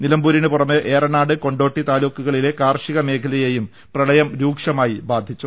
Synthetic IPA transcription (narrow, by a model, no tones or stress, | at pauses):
nilɐmbuːɾinupurɐmeʔeːrɐnaːɽɨko̞ɳɖo̞ːʈːit̪aːloːkːuɣɐɭile̞kaːrʂiɣɐme̞ːkʰɐlɐjejum | prɐɭɐjɐmɾuːkʂɐmaːjibaːd̪ʱːit͡ɕːu